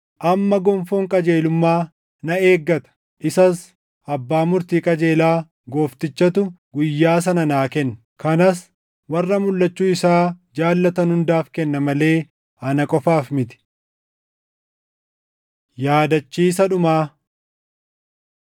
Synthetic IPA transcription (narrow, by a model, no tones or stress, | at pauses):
ʔɐmːɐɡɔmfoːŋkʼɐd͡ʒe̞ːlʊmːaː | nɐe̞ːɡːɐt̪ɐ̥ | ʔɪsɐs | ʔɐbːaːmʊɾt̪iːkʼɐd͡ʒeːlaː | ɡo̞ːft̪ɪt͡ʃːɐt̪ʊ | ɡʊjːaːs̬ɐnɐnaːkɛnː | kɐnɐs | wɐrːɐmʊlːɐt͡ʃːuːɪsaːd͡ʒaːlːɐt̪ɐnhʊnd̪aːfkɛnːɐmɐle̞ː | ɐnɐkʼɔfaːfmɪt̪ɪ̥ | jaːd̪ɐt͡ʃːiːs̬ɐᶑʊmaː